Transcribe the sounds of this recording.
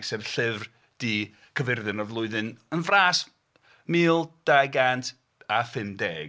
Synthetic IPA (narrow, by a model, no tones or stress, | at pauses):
ɡsɛvɬɪvr | d̥i | kʰəvɪrðɨnɔvlˠʊɨðɨnənvraːs | miːlˠd̥ajɡantʰ | afɪmdeːɡ